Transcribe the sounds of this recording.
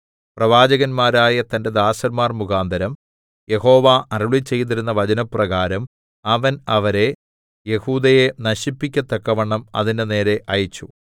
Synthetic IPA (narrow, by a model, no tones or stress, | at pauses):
prɐʋaːd͡ʑɐɣɐnmaːɾaːjɐt̪ɐnde̞d̪aːsɐnmaːrmuɣaːnd̪ʱɐɾɐm | je̞ho̞ːʋaːʔɐruɭit͡ɕːe̞jt̪̬iɾunːɐʋɐd͡ʑɐnɐprɐɣaːɾɐm | ɐʋɐnɐʋɐɾe̞ | je̞huːd̪ɐje̞nɐɕipːikʲːɐt̪ːɐkːɐʋɐɳːɐmɐ̰ðinene̞ːɾe̞ʔɐjit͡ɕːu